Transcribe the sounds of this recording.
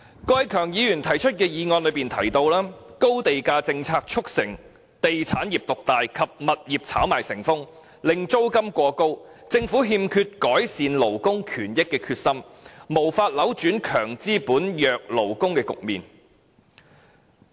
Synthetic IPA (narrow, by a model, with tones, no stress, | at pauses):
kɔː˧jkʰœː˨˩ŋjiː˨˧jyː˨˩nt̪ʰɐ˨˩jt͡ʃʰɵ˥t̚kɛː˧jiː˨˧ŋɔː˧nlɵ˨˧ɥpiː˨˩nt̪ʰɐ˨˩jt̪o˧wlaː˥ko˥wt̪e˨jkaː˧t͡sɪ˧ŋt͡sʰaː˧k̚t͡ʃʰʊ˥k̚sɪ˨˩ŋ | t̪e˨jt͡sʰaː˨˥njiː˨˩p̚t̪ʊ˨k̚t̪aː˨jkʰɐ˨p̚mɐ˨t̚jiː˨p̚t͡sʰaː˨˥wmaː˨˩jsɪ˨˩ŋfʊ˥ŋ | lɪ˨ŋt͡so˥wkɐ˥mkʷɔː˧ko˥w | t͡sɪ˧ŋfuː˨˥ɦiː˧mkʰyː˧t̚kɔː˨˥jsiː˨nlo˨˩wkʊ˥ŋkʰyː˨˩njɪ˥kːɛː˧kʰyː˧t̚sɐ˥mmo˨˩wfaː˧t̚lɐ˨˥wt͡ʃyː˨˥nkʰœː˨˩ŋt͡siː˥puː˨˥njœː˨k̚lo˨˩wkʊ˥ŋkɛː˧kʊ̰˨k̚mḭː˨˩n